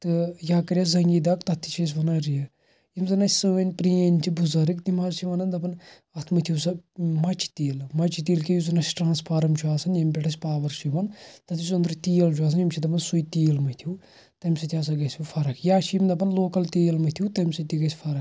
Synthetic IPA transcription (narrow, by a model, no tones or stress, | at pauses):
t̪ɨjaːkɐɾʲjazɐŋɡʲid̪ɐkt̪ɐt̪ʰːi̥t͡ʃʰes̬ʲʋɐnɐɾijɐ | jimzɐnasʲsɨʋɐnʲpɾiːenʲt͡ʃʰibuzɐɾikt̪imazt͡ʃʰiʋɐnɐnd̪ɐpɐn | ɐt̪ʰmɐt̪ʲʰuwsɐmɐt͡ʃʰi̥t̪iːlmɐt͡ʃʰit̪̬iːlkʲejuzɐnɐsʈɾãːnspʰaːɾɐmt͡ʃʰuaːsɐnjɐmʲpʲeʈʰɐsʲpaːʋɐɾʃiʋɐnt̪ɐt̪ʰisɐnd̪ɾit̪iːjɐlt͡ʃʰuaːs̬ɐnjimt͡ʃʰid̪ɐp̬ɐnsujit̪iːjlmɐt̪ʰiu | t̪ɐmʲsɐt̪ʲjaːs̬ɐɡɐsʲufʰɐɾɐkʰjaːʃʰijmd̪ɐp̬ɐnloːkɐlt̪iːjlmɐt̪ʲʰiut̪ɐmʲsɐt̪iɡɐsʲfʰɐɾɐk